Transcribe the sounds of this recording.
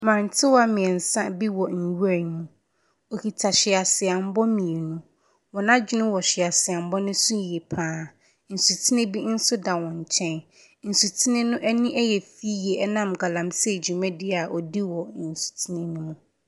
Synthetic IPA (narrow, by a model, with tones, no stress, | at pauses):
mã˨n̩˨tʰɪ˦wa˦mɪ̃˨ɛ˨n̩˨sã˦bi˦wɔ˨n̩˨wu˦a˨nmũ˦ | o˨hi˨tʰa˨ɕɪ˨a˨sɪ˨a˨m̩˦bɔ˦mĩ˨e˨nũ˦ | wɔ̃˨nã˦d͡ʑᶣɪ˦nɪ̃˦wɔ˨ɕɪ˨a˨sɪ˨a˨m̩˦bɔ˦nʊ̃˦sũ˦˨jɛ˨pʰãː˦ | n̩˨su˨tʰi˦nɪ̃˦bi˦n̩˦sʊ˦da˨wɔ̃˨ɲ˨t͡ɕʰɛ̃˦n | n̩˨su˨tʰi˦nɪ̃˦nʊ̃˦ʔɛ˦nĩ˦ʔɛ˦jɛ˨fi˦je˨ʔɛ˦nã˦˨mɡa˨lã˨msɛ˦˨d͡ʑu˨mɛ̃˦dɪ˨a˨ʔɔ˨di˦wɔ˨n̩˨su̥˨tʰi˦nɪ̃˦nũ˦mũ˨